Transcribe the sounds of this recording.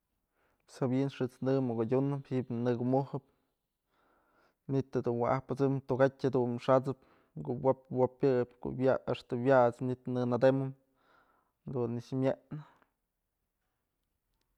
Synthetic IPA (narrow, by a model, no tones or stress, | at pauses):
sabinʂɨt͡snɨmokodʲunɨphiʔbnɨɡumuhɨp | nit̪ad̪unwa̰ʔahpɨt͡sɨmt̪uɡatʲhad̪unʂat͡sɨp | kowapwopjɨpko̰wjaaʂt̪ɨwjaʔt͡sɲʲit̪nɨnad̪emɨm | d̪unːiʂmjeʔnɨ